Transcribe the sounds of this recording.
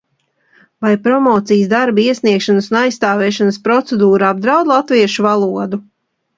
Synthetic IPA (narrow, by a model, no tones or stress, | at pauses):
vajpɾɔmɔːt̪sijsd̪aɾbaiɛsniɛkʃansunajst̪aːvɛːʃanəspɾɔt̪sed̪uːɾab̚d̪ɾawd̪lˠat̪viɛʃuvalˠuɔd̪u